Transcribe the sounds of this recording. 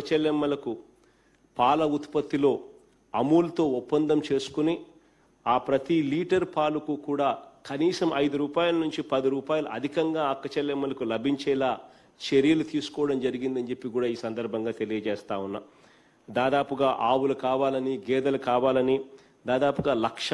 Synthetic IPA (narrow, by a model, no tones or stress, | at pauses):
kɐt͡ʃɛlːɛmːɐlɐku | paːlɐut̪pɐt̪ːilo̞ː | ɐmuːlɐt̪o̞ːupːɐnd̪ɐmt͡ʃe̞ːsu̥kuni | aːpɾɐt̪iliːʈɐɾpaːlukukuːɽaːkɐniːsɐmʔɐjd̪uɾuːpaːjɐlɐnuɲt͡ʃipɐd̪iɾuːpaːjɐlṵʔɐ̰d̪ʱikɐŋɡaːɐkːɐt͡ʃɛlːɛmːɐlɐkulɐbʱiɲt͡ʃɛːlaː | t͡ʃeɾijɐlut̪iːsu̥kɔːɐɽɐmd͡ʒɐɾiɡind̪ɐɲd͡ʒe̞pːikuːɽaːiːsɐnd̪ɐɾbʱɐŋɡaːt̪e̞lijɐd͡ʒɛːst̪aːwunːa | d̪aːd̪aːpuɡaːʔaːwulɐkaːʋaːlɐniɡɛːd̪ɐlɐkaːʋaːlɐni | d̪aːd̪aːpuɡaːlɐkʂ